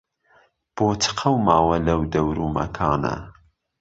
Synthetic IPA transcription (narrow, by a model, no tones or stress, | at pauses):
b̥oːt͡sʰɨ̥qʰɐwmɑːwɐlɐwd̪ɐwɾuːmɐ̰kʰɑːnɐ̰